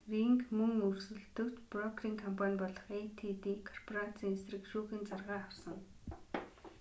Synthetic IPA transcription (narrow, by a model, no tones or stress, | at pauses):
riŋkmɵŋɵrsɵ̆ɮt̪ɵ̆kt͡ɕprɔkriːŋkʰɔmpʰanʲpɔɮɞ̆χejt̪ʰit̪iːkʰɔrpʰɔrat͡sʰiːŋesrɘ̆kʃuːxĭːnt͡sarʁaːawsə̆ŋ